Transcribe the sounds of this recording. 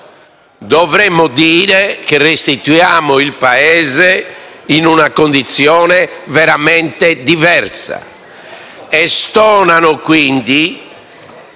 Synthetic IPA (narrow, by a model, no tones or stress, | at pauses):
d̪ɔvɾɛmːɔd̪iːɾɛkerest̪it̪ujaːmoilpaɛːzɛinunakond̪it̪sjɔːnɛvɛɾamɛnt̪ɛd̪ivɛɾsa̰ | ɛst̪ɔːnanɔkwind̪i